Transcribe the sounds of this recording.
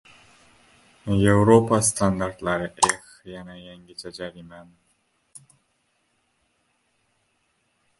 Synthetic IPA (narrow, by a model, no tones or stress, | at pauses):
jewɾopast̪ʰand̪aɾt̪laɾeʔexjanajaŋɡʲit͡ʃad͡ʒaɾiman